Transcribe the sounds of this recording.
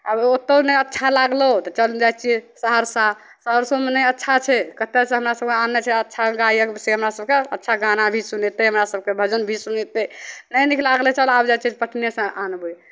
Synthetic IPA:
abot̪ːənɛjətːʃʰalaɡlət̪ɔt͡ʃəld͡ʒajt͡ʃʰiɛsəɦəɾsa | səɦəɾsomenɛjətːʃʰat͡ʃʰɛkət̪esẽɦəmɾasəb̚keanet͡ʃʰɛətːʃʰaɡaiəkseɦəmɾasəb̚keətːʃʰaɡanabʱisunɛt̪eɦəmɾasəb̚kebʱəd͡ʒənbʱisunet̪enəjnikʰlaɡlɛt͡ʃʰəlabd͡ʒajt͡ʃʰpəʈʰnesə̃ʔanbu

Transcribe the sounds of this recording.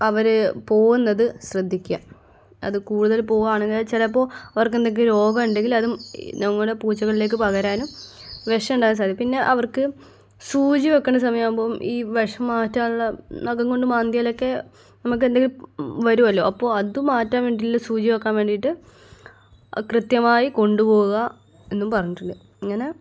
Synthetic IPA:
ɐʋɐɾpo̞ːɣunːɐðɨɕrɐd̪ʱːikʲːa̰ | ɐ̰ðɨkuːɽuðɐlpo̞ːɣaːɳeŋɡilat͡ɕɐlɐp̬ːo̞ːɐʋɐrkend̪eŋkːiɾo̞ːɡɐmuɳɖe̞ŋɡilɐðumnɐŋːɐɭuɽe̞puːt͡ɕːɐɣɐɭile̞ːk̬ːɨpɐɣɐɾaːnum | ʋeʂɐmuɳɖaːnːɐs̬aːd̪ipinːe̞ʔɐʋɐrkɨ | suːt͡ɕiʋɐkːeɳːɖɨs̬ɐmɐjaːumboːmʔiːʋɐʂɐmːaːtːaːuɭːɐnɐkːɐŋko̞ɳɖɨmaːnd̪jaːlo̞kːe̞ | nɐmuk̬ːɨend̪eŋɡilʋɐɾuʋɐlːo̞̰ːʔɐpːo̞ːɐðumaːtːaːnʋe̞ːɳɖilːɐsuːd͡ʑiʋɐkːaːnʋe̞ːɳɖijʈːɨ | krɨt̪jɐmaːjiko̞ɳɖupo̞ːɣuɣɐ | e̞nːumpɐrɐɲːiʈːuɳɖɨ | iŋːɐne̞

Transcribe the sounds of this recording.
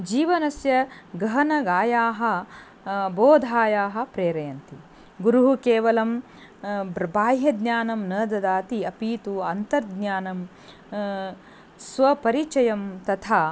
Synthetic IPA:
d͡ʒiːʋɐnɐsjɐ | ɡɐɦɐnɐɡaːjaːɦɐ̆ | boːd̪ʱaːjaːɦɐ̆pɾeːɾɐjɐnt̪i | ɡuɾuɦukeːʋɐlɐm | bɾɐbaːjjɐd̪ɲjaːnɐmnɐːd̪ɐd̪aːt̪iɐpiːt̪uɐnt̪ɐɾd̪naːnɐm | sʋɐpɐɾit͡ʃɐjɐmt̪ɐt̪ʰaː

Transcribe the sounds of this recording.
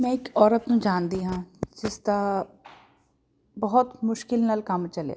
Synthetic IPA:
mɛ̃ɪkɔːɾət̪ũd͡ʒaːnd̪iɦãːd͡ʒɪst̪a | bɐɦʊt̪mʊʃkɪlnɐlkɐmt͡ʃɐlḛa̰

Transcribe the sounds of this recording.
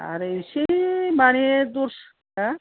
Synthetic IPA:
a̰ɾeʃemaned̪oɾʃ | a

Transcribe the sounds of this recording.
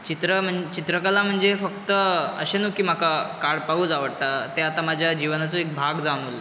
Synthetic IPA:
t͡ɕit̪ɾəm̤əɳt͡ɕit̪ɾəkəlam̤əɳd͡zefək̚t̪əə̰ɕenuːkiːm̤akakaɽpaɦuːd͡zaʋəɽʈ̪at̪eat̪amad͡ʑʱjad͡ʑiʋnat͡soek̚bʱaɡd͡zaʋñul

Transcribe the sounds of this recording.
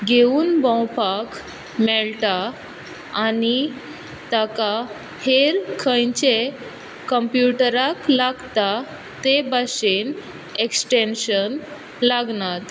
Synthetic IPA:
ɡeuːnbɔ̃wpak | mɛɭʈaː | ni | t̪aka | heɾkʰə̃jt͡ɕe | kəmpjuʈəɾaklaɡt̪a | t̪ebaɕen | eksʈenɕən | laɡnat̪

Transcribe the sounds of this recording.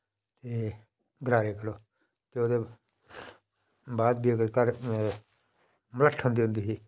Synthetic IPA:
t̪eː | ɡɾaːɾeːkəɾoː | k̪oːd̪eː | baːd̪̚biːəɡəɾkəɾ | mələʈʰːə̃nd̪iʊ̃nd̪iːɦiː

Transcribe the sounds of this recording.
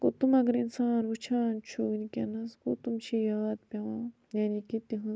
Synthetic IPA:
kut̪umɐɡɐɾinsaːnʋut͡ʃʰaːnt͡ʃʰuɡnikʲenɐskut̪umt͡ʃʰijaːd̪̚pʲɐʋãː | jaːnikit̪iɦɐ̃

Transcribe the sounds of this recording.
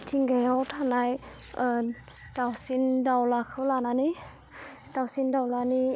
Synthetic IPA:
tʰiŋɡajawtʰanaj | dawsindawlakʰɯlananɯj | d̥awsindawlani

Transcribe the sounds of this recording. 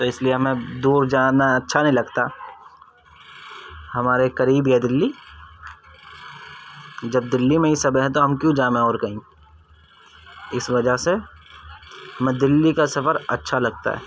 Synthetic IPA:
t̪oɪslieɦɐmẽd̪uːɾd͡ʒaːnaɐtːʃʰanɐɦĩlɐɡt̪a | hɐmaːɾekɐɾiːbiɦɛd̪ɪlːi | d͡ʒɐb̚d̪ɪlːimẽisɐbəɦɛ̃t̪oɦɐmkjũd͡ʒaːmẽɔːɾkɐɦĩː | ɪsʋɐd͡ʒaɦse | ɦɐmẽd̪ɪlːikasɐfəɾɐ̰tːʃʰalɐɡ̚t̪a̰ɦɛ̰ː

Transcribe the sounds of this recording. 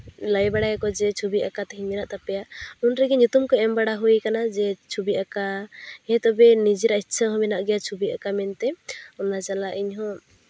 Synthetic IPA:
ləjbaɽajɛkɔd͡ʒɛt͡ʃʰubiʔakat̪ɛɦiɲmɛnaʔt̪apɛjaʔunɾɛɡɛɲut̪umkɔɛmbaɽaɦujkanad͡ʒɛt͡ʃʰubiʔakaɛt̪ɔbɛnid͡ʒiɾaitːsʰəɦɔ̃mɛnaʔɡɛjat͡ʃʰubiʔakamɛnt̪ɛɔnat͡ʃalaʔiɲɦɔ̃

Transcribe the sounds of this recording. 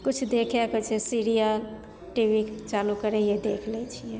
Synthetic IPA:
kut͡ʃʰd̪ekʰɛkɦot͡ʃʰɛsiɾija | ʈibikt͡ʃalukəɾɛjed̪ekʰlɛt͡ʃʰijɛ

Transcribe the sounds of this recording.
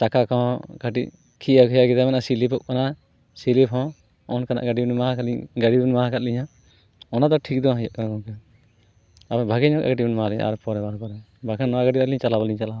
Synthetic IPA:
t͡ʃakakɔ̃kaʈḭʔ | kʰiakʰɛjakit̪amɛnasilipɔʔ̚kana | silipɦɔ̃ | ɔnkana̰ʔɡaɖibnmaɦkaɲɡaɖibɛnmaɦakat̪̚liɲa | ɔnad̪ɔʈʰik̚d̪ɔaɦjɔʔkakɔ̃kɛ | abɛbʱaɡɛɲɔka̰ɡaʈibɛnmaaliɲa̰a̰ɾpɔɾɛbaɾpɔɾɛ | bʱakʰanːɔaɡaɖialiɲt͡ʃalabaliɲt͡ʃala

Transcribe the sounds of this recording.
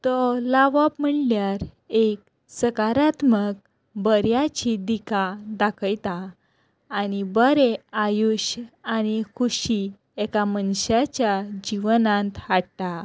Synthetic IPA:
t̪ɔlaʋəpm̤əɳljaɾ | ek̚ | səkaɾat̪mək̚ | bəɾjat͡ɕid̪ikad̪akʰəjt̪aː | nibəɾeajuɕañikʰuɕi | ɛkamənɕat͡ɕjad͡ʑiʋnãnt̪ɦaɽta

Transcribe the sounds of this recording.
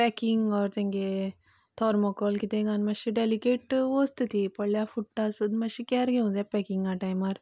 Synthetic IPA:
pɛkiŋɡɔːɾt̪ẽŋɡe | t̪ʰɔːɾmɔkɔlkit̪ẽɡanmɐʃiɖelikeːʈʋoːst̪ɨt̪ʰipɐɽljafuʈːasud̪mɐʃikʲɛɾɡeũzɛpɛkiŋɡaʈajmaɾ

